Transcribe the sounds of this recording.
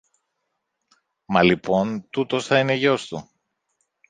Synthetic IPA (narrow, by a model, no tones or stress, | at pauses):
mɐlipo̞nt̪ut̪o̞sθɐine̞ʝo̞st̪u